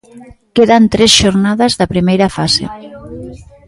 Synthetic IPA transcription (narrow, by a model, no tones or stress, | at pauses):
keðant̪ɾesʃoɾnaðazðɐpɾimejɾɐfasḛ